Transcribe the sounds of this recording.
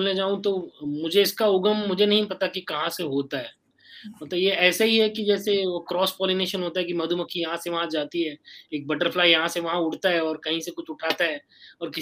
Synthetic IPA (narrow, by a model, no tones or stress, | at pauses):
lned͡ʒaːũt̪omʊd͡ʒʱeɪskaʊɡəmːʊd͡ʒʱenɐɦĩpɐt̪akikɐɦãseɦoːt̪aɦɛː | mɐt̪ləbjeɛːsaɦiɦɛkid͡ʒɛːseokɾɔːspɔːlineːʃənɦoːt̪aɦɛkimɐd̪ʱumɐkʰijɐɦãseʋɐɦãd͡ʒaːt̪iɦɛːeːk̚bɐʈəɾfʰlaːijɐɦãseʋɐɦãʊʈt̪aɦɛɔːɾkɐɦĩsekʊt͡ʃʰʊʈʰaːt̪aɦɛː | ɔːɾkɪ